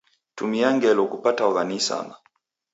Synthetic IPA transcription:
tumiaŋɡɛlɔkupataɔɣanisa̰ma

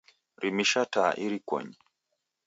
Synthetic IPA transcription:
ɾimiʃataʔiɾikwɔ̰ɲi

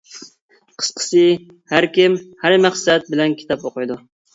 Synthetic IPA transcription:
qʰə̥sqʰə̥sɨ | hæɾkʲɪmhæɾmæχsɛt̪̚bɪlɛnkʲʰi̥t̪ɑpoqɨjd̪u

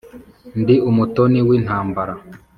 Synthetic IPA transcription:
ndiumutoniwiːn̥haːmbaɾa

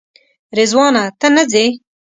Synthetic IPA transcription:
ɾezwɑːnat̪ənəze

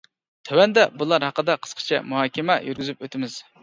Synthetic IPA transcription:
t̪ʰøwɛnd̪ɛbulˠɑɾhɑqəd̪ɑqʰə̥sqʰə̥t͡ʃʰɛ̰muɦɑːkʲɪmɛjyɾɡʲyzypøt̪ʰɪmɪz̥

